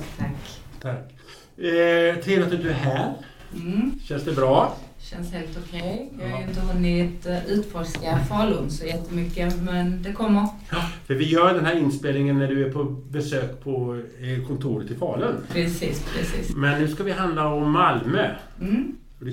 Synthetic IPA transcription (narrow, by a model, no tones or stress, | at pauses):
t̪ʰakt̪ʰakː | t̪ʰɪnat̪ʰʉt̪æɦæːɾ | ɕɛnsd̪ɛbɾɑːɕɛnsheːlt̪ʊkʰɛjjɑjɪnt̪əɦɔnɪt̪ʉ̟ːt̪fɔʂkafɑːlʊnsɔjɛt̪ʰːəmʏkːəmɛnd̪ɛkʰɔmːəɾ | fœɾvɪjœːjd̪ɛnɦæːɾɪnspeːlnɪŋənːæɖɵæpʰɔbɛsøːkpʰɔ | kʰɔnt̪ʰuːɾət̪ːɪfɑ̰ːlɵnpʰɾɛsḭːspʰɾɛsḭːsmɛnːʉ̟ːskavɪɦand̪laɔmːalmø | d̪ɛ